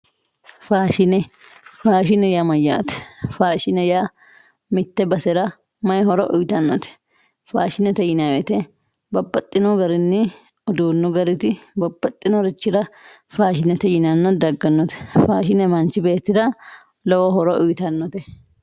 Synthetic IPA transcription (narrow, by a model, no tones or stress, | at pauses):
faːʃɪnɛfaːʃɪnɛjamɐjːa̰ːt̪ɛ̥faːʃɪnɛja | mɪt̪ːɛbɐsɛɾɐ | mɐjhɔɾɔ̰ʔʊjt̪ɐnːɔt̪ɛ̥ | faːʃɪnɛt̪ɛjɪnawɛt̪ɛ | bɐbːɐt̪ʼːɪnɔɡɐɾɪnːɪ | ɔd̪uːnːɔɡɐɾɪt̪ɪbɐbːɐt̪ʼːɪnɔɾɪt͡ʃːɪɾɐfaːʃɪnɛt̪ɛjɪnanːɔd̪ɐɡːɐnːɔt̪ɛ̥faːʃ̬ɪnɛmɐnt͡ʃːɪbe̞ːt̪ːɪɾɐ | lɔwɔhɔɾɔʔʊjt̪ɐnːɔt̪ɛ